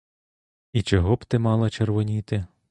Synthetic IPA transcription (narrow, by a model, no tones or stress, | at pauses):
it͡ʃɔɦɔbt̪ɪmɑlˠɐt͡ʃerʋɔnʲit̪ɪ